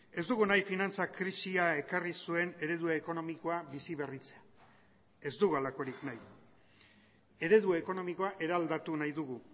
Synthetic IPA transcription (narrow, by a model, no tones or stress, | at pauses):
e̞zd̪uɣunajfinant͡sakɾisiae̞karisue̞ne̞ɾe̞ðuaeko̞no̞miko̞aβisiβe̞rit͡sea | e̞zd̪uɣualako̞ɾiknaj | e̞ɾe̞ðuaeko̞no̞miko̞aʔe̞ɾald̪at̪unajðuɣu